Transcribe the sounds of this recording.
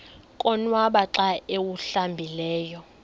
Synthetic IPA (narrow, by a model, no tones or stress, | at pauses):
kʼɔnwaɓaǁaewuɬambʱilɛːjɔ